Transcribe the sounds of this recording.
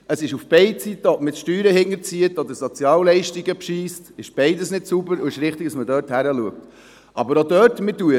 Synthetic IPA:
əsɪʃufb̥ɛɪt͡sitːəɔtmɪtʃtyːɾəhɪŋːəɾt͡siətɔdəɾsɔt͡sjɑːllɛɪʃtiɡəpʃiːstɪʃb̥ɛɪdəsnɪtsubəɾʊɪʃɾɪχtɪɡ̚d̥ɑsmədœːthæɾəluək̚t | ʔɑbəɾodœːtmɪtuə

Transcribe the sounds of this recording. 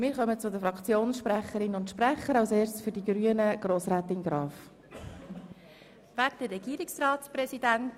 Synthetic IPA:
mɪːɾχœmət͡sʊd̪əfɾɑkt͡sjoːnsʃpɾæχəɾɪnʊntʃpɾɛχəɾɑʊseːɾsfʏɾdiɡɾyːənəɡ̥ɾoːsɾæːt̪ɪnɡɾɑːf | væd̥əɾɛɡ̥iːɾɪksɾɑːtspɾɛsid̥ænt

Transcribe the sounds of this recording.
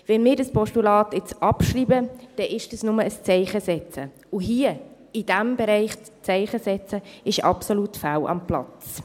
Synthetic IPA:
vɛnmɪːɾdɑspɔʃtulɑːtɪt͡sɑpʃriːbəd̥ɛʔɪʃd̥əsnʊməəst͡sɛɪχəsɛt͡sə | ʊɦiə | id̥æmbɛɾɛɪχ | t͡sɛɪχəsɛt͡səɪʃɑ̰psolutfawʔɑ̰mplɑ̰t͡st͡s

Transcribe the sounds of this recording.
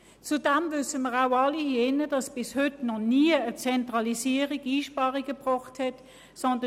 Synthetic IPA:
t͡sudɛmvʏsəməʁaʊɑlihienəd̥ɑsb̥ɪshʏtnɔniəət͡sɛntʁɑlisiːəʁiɡiːʃpɑːʁiɡəbʁɔχthɛt | sɔndə

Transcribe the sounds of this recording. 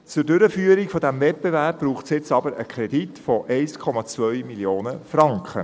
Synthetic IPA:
t͡sʊɾdʏɾəfyːəɾikfɔdæmvɛt̚b̥evæɾp̚b̥ɾuːχtsjɪt͡sɑbəɾə̰kʰɾɛditfɔʔɛɪskʰɔmɑt͡svœʏmiljoːnəfɾɑŋkχə

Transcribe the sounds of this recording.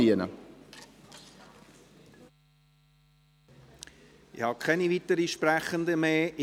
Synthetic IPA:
iənə̰ | ɪhɑkʰɛnivit̪əɾiʃpɾæχənd̪əmeːʔ

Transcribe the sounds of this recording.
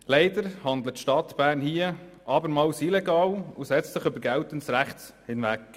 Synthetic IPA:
lɛɪd̪əɾhɑnd̪lətʃtɑt̪b̥æːɾnhiəʔɑbəɾmɑːwsilɛɡɑːlusɛt͡stsɪχʏbəɾɡæwtəntsɾæχts | hɪnvæk

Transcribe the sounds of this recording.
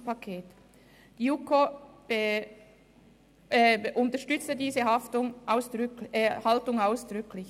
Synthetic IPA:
pakʰeːt | d̥iuko | ʔʊntɐʃtʏt͡stədiːzəhaftʊŋʔaʊsd̥haltʊŋaʊsd̥ʁʏkʰlɪç

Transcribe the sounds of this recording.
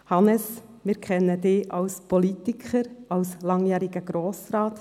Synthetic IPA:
hɑnəs | mɪɾkʰɛnːədɪːʔɑwspɔlit̪ikχəɾɑwslɑŋjæːɾiɡ̥əɡ̥ɾoːsɾɑːt

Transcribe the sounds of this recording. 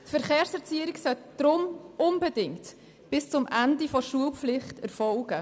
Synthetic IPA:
tfɛɾχeːɾsɛɾt͡siəɾiksœtd̥ɾʊmʊnbɛdɪŋt | b̥ɪst͡sʊmʔændifɔʃuəlflɪχtɛɾfɔlɡ̥ə

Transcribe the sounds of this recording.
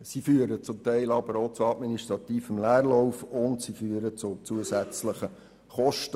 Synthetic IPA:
sifyːəɾət͡sʊmt̪ɛɪlɑb̥əɾot͡sʊɑtminiʃtɾʁɑt̪iːfəmlæːɾlɔʊfʊntsifyːəɾət͡sʊt͡suəsæt͡sləχə | χɔʃtə

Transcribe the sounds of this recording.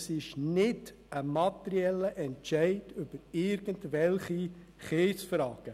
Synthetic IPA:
sɪʃnɪd̥ | əmɑtəɾiɛlːəʔɛntt͡ʃɛɪdʏb̥əɾɪɾɡ̥əntʋɛlχi | χeːsfrɑːɡ̥ə

